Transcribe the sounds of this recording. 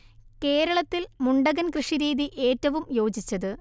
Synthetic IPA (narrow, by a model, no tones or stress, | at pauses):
ke̞ːɾɐɭɐt̪ːilmuɳɖɐɣɐnkrɨʂiɾiːðiʔe̞ːtːɐʋumjo̞ːd͡ʑit͡ɕːɐðɨ